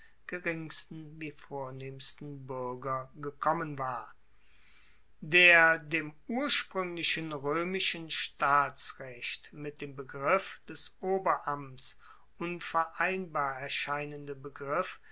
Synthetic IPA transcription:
ɡ̥əʁɪŋstn̩viːfoːɐneːmstn̩bʏɐɡɐɡəkʰɔmənvaːɐ | deːɐdeːmuːɐʃpʁ̥ʏŋlɪʃənʁøːmɪʃənʃtaːt͡sʁɛçtmɪt̚d̥eːmbəɡʁɪfd̥ɛsʔoːbɐʔams | ʔʊnfɛɐʔaɪnbaːɐɛɐʃaɪnəndəbəɡʁɪf

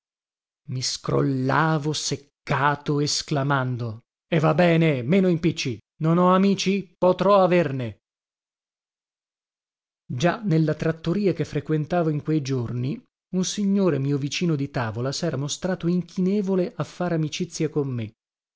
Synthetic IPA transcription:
miskɾo̰lːaːvosekːaːt̪oesklamand̪o | evːabɛːnemeːnoimpit͡ʃːi | nonɔamiːt͡ʃipot̪ɾɔaverne | d͡ʒanelːat̪ɾat̪ːoɾiːakefːɾekwent̪aːvoiŋkwejd͡ʒorni | unsiɲːoːɾemiːovit͡ʃiːnod̪it̪aːvolasɛːɾamost̪ɾaːt̪oiŋkʰinɛːvoleʔafːaɾamit͡ʃit̪sːjakomːe

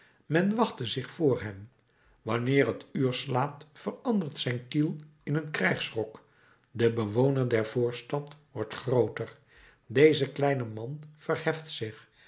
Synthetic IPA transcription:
mɛnʋɑχtəzɪχfʊːɹɦɛm | ʋɑnɪːrɦətyːɹslaːtfərɑndəɹtsɛjnkilˠɪnənkrɛjχsrɔk | dəbəʋownəɹdɛɹv̥oːɹstɑtʋɔɹtχrowtər | dejzəklɛjnəmɑnfərhɛftsɪχ

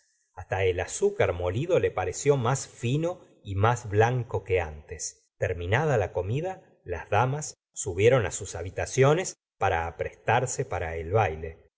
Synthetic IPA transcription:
ast̪aelasukaɾmo̞liðo̞le̞paɾesjo̞masfino̞ | imazβlaŋko̞keant̪es | t̪eɾminað̞alako̞miða | la̰zðamasː | uβje̞ɾo̞na̰susaβit̪asjo̞ne̞s | paɾaːpɾest̪aɾsepaɾaelβajle̞

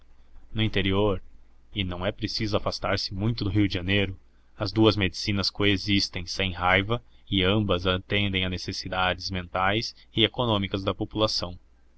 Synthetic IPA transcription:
nʊĩnt̪eɾioɾ | ɪnɐ̃w̃ɛpɾesizʊafast̪aɾsɪmũj̃t̪ʊd̪ʊɦiʊdɪʒɐnejɾʊ | ɐzd̪uɐzmed͡ʒisinɐskoezist̪ẽj̃sẽj̃ɦajvɐɪɐ̃mbɐzat̪ẽnd̪ẽj̃ɐnesesid̪ad͡ʒɪzmẽnt̪ajs | ɪekonõmikɐzd̪ɐpopulasɐ̃w̃

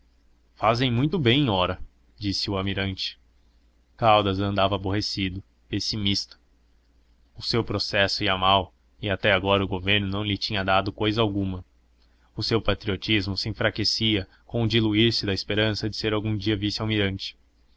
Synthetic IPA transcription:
fazẽj̃mũj̃t̪ʊbẽj̃ɔɾɐ | d͡ʒisɪʊamiɾɐ̃nt͡ʃɪ̥ | kawd̪ɐzɐ̃nd̪avɐːboɦesid̪ʊ | pesimist̪ɐ̥ | ʊsewpɾosɛsʊiɐmaw | ɪat̪ɛaɡɔɾɐʊɡoveɾnʊnɐ̃w̃lɪt͡ʃĩɲɐd̪ad̪ʊkojzɐawɡũmɐ | ʊsewpat̪ɾiot͡ʃizmʊsɪẽfɾakesiɐ | kõʊd͡ʒiluiɾsɪd̪ɐɪspeɾɐ̃sɐd͡ʒɪseɾawɡũd͡ʒiɐvisɪawmiɾɐ̃nt͡ʃɪ̥

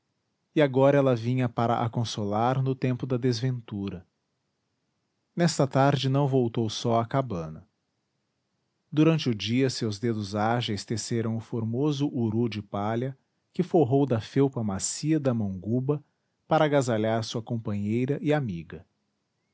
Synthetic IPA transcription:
ɪaɡɔɾɐɛlɐvĩɲɐpaɾɐ̰ʔa̰kõsolaɾnʊt̪ẽmpʊd̪ɐd̪ezvẽnt̪uɾɐ | nɛst̪ɐt̪aɾd͡ʒɪnɐ̃w̃vowt̪owsɔakabɐ̃nɐ | d̪uɾɐ̃nt͡ʃɪʊd͡ʒiɐsewzd̪ed̪ʊzaʒɐɪst̪eseɾɐ̃w̃ʊfoɾmozʊʔuɾud͡ʒɪpaʎɐ | kɪfoɦowd̪ɐfewpɐmasiɐd̪ɐmɐ̃w̃ɡubɐ | paɾɐaɡazaʎaɾsuɐkõmpɐ̃ɲejɾɐʔɪamiɡɐ

